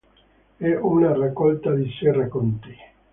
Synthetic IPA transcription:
ɛʔunarakːɔlt̪ad̪iserakont̪i

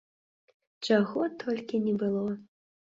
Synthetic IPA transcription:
t͡ʂaɣɔt̪ʰɔlʲkʲinʲɛbɨlˠɔ

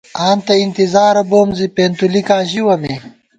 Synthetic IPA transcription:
aːnt̪ɐint̪izaːɾɐboːmzipeːnt̪ulikaːɕiwɐme

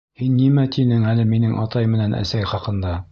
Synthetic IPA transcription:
hinːimæt̪ʰinɘŋælɘminɘŋʔɑ̰t̪ɑjmɘ̆nænʔæ̰sæjχɑqɤ̆nd̪ɑ

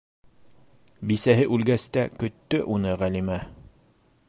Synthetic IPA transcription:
bisæɦɘʔʉlɡæst̪ækɵ̆t̪ːɵʔunɤʁælimæ

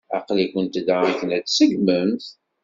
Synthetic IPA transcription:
ɑ̰qlikʷənt̪d̪aæçənæt͡ssəɡməmθ

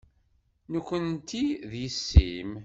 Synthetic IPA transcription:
nukʷːənt̪iðjəsːḭm

